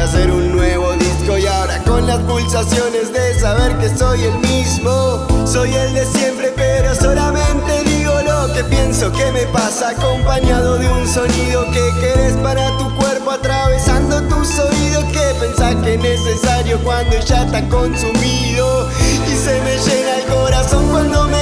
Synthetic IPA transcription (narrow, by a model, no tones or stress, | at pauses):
aseɾunːweβ̞oðisko̞iaoɾako̞nlaspulsasjo̞ne̞zðesaβe̞ɾkeso̞jelmizmoso̞jeld̪esjempɾepeɾo̞solamẽnt̪eðiɣonoke̞pje̞nsokemepasaːkompaɲaðoðeunso̞niðokekeɾespaɾat̪ukweɾpoat̪ɾaβesand̪ot̪usoiðokepensaɾkenesesaɾjokwand̪oeʒast̪akonsumi | ðo | isemeʒenaelkoɾaso̞ŋkwand̪ome